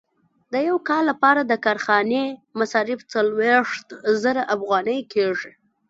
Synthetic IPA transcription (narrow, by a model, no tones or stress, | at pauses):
d̪əjawkɑlːapɑɾad̪əkɑɾxɑnemasɑɾɪft͡salweʂt̪zəɾaʔafɣɑnəjkʰeʐi